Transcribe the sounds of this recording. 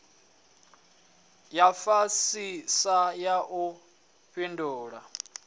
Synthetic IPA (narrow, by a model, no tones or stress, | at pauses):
jafasisajaʔu | ɸinduːɺa̰